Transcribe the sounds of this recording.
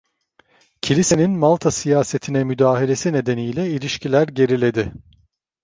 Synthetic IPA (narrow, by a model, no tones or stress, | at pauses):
cʰilʲise̞ninmalˠt̪ʰasijaːse̞t̪ʰinɛmyd̪aːɦilʲe̞sine̞d̪e̞nijlʲɛilʲiʃcilʲæɾɟe̞ɾilʲe̞d̪ɪ